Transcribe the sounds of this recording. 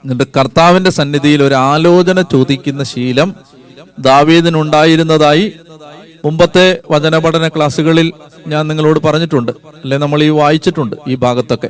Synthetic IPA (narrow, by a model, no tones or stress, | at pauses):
iɨkɐrt̪aːʋinde̞sɐnːiðijilo̞ɾuaːlo̞ːt͡ɕɐnɐt͡ɕoːd̪ikʲːun̪ːɐɕiːlɐm | d̪aːʋiːðinuɳɖaːjiɾunːɐðaːji | mumbɐt̪ːe̞ʋɐd͡ʑɐnɐbɐɽɐnɐkɭaːsuɣɐɭil | ɲaːnniŋːɐɭo̞ːɽɨpɐrɐɲːiʈːuɳɖɨ | ɐlːe̞ːnɐmːɐɭiːʋaːjit͡ɕːiʈːuɳɖɨiːbʱaːɡɐt̪ːo̞kːe̞